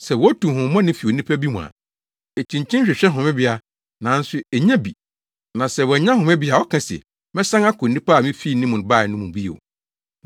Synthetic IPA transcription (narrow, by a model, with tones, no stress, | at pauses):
sɛ˨wɔ˦ɔ˦tũ˨mɦʊ̃˨˦mɔ̃˦nɪ̃˦fi˨o˨nĩ˦pʰæ˦bi˦mũ˨a̰˨ | e˨t͡ɕʰĩ˨ɲt͡ɕʰĩ˦n˦ɕᶣɪ˨ɕᶣɛ˦ɦʊ̃˨mɛ̃˦bɪ˨˦a˨ | nã˨˦n̩˦sʊ˦e˨ɲɛ̃˦bi˨ | nã˨sɛ˨wɛ˨ɲã˦ɦʊ̃˨mɛ̃˦bɪ˨˦a˨ɔ˦kʰã˦sɛ̰˨ | mɛ̃˦sã˦ŋa˦kʰʊ̃˨n˨nĩ˦pa˦˨mĩ˦fiː˦˨nĩ˦mʊ̃˨n˨ba˦˨nʊ̃˦mũ˨bi˦o̰˨